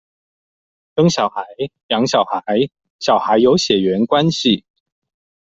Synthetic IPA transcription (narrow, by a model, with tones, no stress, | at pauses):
t̪ɤ˥ŋɕjɑ˨˩ʊxa˨˧˥ɪljɑ˧˥ŋɕjɑ˨˩ʊxa˧˥ɪ | ɕjɑ˨˩ʊxa˧˥ɪjo˧˥ʊɕjɛ˨˩ɥɛ˧˥nkwa˥nɕi˨˩